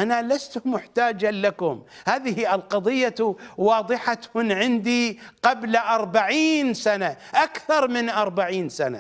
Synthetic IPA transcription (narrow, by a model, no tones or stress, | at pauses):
ʔanalast̪mʊħt̪aːd͡ʒalakʊmhaːðɪhiʔɪlqɑðˤɨjːawɑːðˤɨħat̪hʊnʕɪnd̪iqablʔɑɾˤbaʕiːnsanaʔakθɑɾˤmɪnʔɑɾˤbaʕiːnsana̰